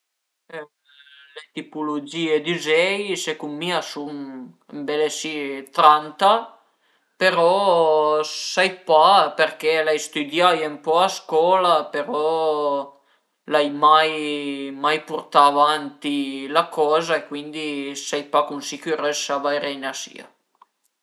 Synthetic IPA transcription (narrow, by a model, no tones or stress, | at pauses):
ɛ | let̪ipulud͡ʒiːed̪izɛjsekumːiasun | mbɛlesit̪ɾant̪a | peɾɔ | sajpaperk̟ɛlajst̪ud̪jajempɔaskɔːlapeɾɔ | lajmajmajpurt̪aːvant̪ilakɔːzaekwind̪isajpakunsik̟uɾɛsavajɾɛjnasḭa̰